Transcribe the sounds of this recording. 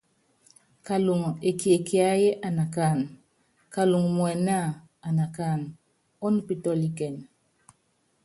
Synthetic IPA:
ka˨lu˨ŋ˨e˨ki˨e˨kɪ˨a˦je˦ʔa˨na˨ka˦˨n | ka˨lu˨ŋ˨mwɛ˨na˦˨ | a˨na˨ka˦˨n | ɔ˦n˦pi˦˨tɔ˦li˦kɛ˨n

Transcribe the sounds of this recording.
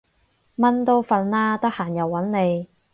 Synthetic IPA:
mɐ˥nt̪o˥wfɐ˨˧nːaː˥t̪ɐ˥k̚haː˨˩njɐ˨wːɐ˨˥nne˨˧j

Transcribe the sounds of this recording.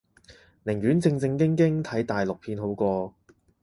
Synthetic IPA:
nɪ˨˩ŋɥyː˨˥nt͡sɪ˧ŋt͡sɪ˧ŋkɪ˥ŋkɪ˥ŋt̪ʰɐ˨˥jt̪aː˨˩jlʊ˨k̚pʰiː˧nɦo˨˥wkʷɔː˧

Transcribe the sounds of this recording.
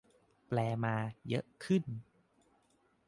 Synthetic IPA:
plɛː˧maː˧jɤ˦˥ʔkʰɯ˥˩n

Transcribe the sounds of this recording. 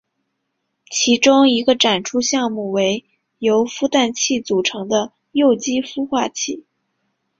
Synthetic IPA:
t͡ɕʰi˧˥ʈ͡ʂʊ˥ŋi˧˥ɡə˧ʈ͡ʂa˨˩nʈ͡ʂʰu˥ɕjɑ˥˧ŋmu˥˩we˧˥ɪ | jo˧˥ʊfu˥˧t̪a˥˧nt͡ɕʰi˥˩t͡su˨˩ʈ͡ʂʰɤ˧˥ŋd̪ə˧ | jo˥˩ʊt͡ɕi˥fu˥xwa˥˧t͡ɕʰi˥˩

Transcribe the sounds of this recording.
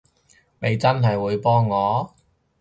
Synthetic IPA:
me˨˧jt͡sɐ˥nɦɐ˨jwuː˨˧jpɔː˥ŋːɔː˨˧

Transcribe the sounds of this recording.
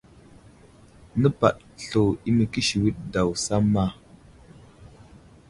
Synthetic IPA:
nə˦pa̰˨ʔ | ɬo˨i˦mə˨ki˦ʃi˨wi˦ɗ̚da˨wsa˦mːa˦˨

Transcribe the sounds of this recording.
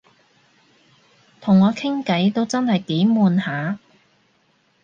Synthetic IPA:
t̪ʰʊ˨˩ŋːɔː˨˧kʰɪ˥ŋkɐ˨˥jt̪o˥wt͡sɐ˥nhɐ˨jt̪iː˨˥muː˨˧nhaː˨˧

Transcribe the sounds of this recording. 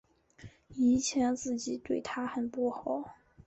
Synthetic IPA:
i˧˥t͡ɕʰjɛ˧˥nt͡sɹ̩˥˩t͡ɕi˨˩˦t̪we˥˩ɪt̪ʰa˥xə˨˩npu˥˩xɑ˨˩˦ʊ

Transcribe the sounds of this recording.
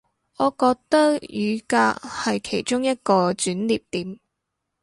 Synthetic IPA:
ɔː˨˧kɔː˧k̚t̪ɐ˥k̚jyː˨˧kaː˧hɐ˨jkʰe˨˩jt͡ʃʊ˥ŋjɐ˥t̚kɔː˧t͡syː˨˥nliː˨p̚t̪iː˨˥m

